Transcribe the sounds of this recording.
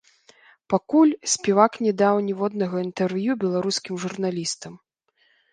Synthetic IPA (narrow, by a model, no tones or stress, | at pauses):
pakulʲsʲpʲɛvaknʲɛd̪awnʲɛvɔd̪nɐɣɐint̪ɛrvjubʲɛlˠaɾuskʲimʐurnalʲist̪ɐm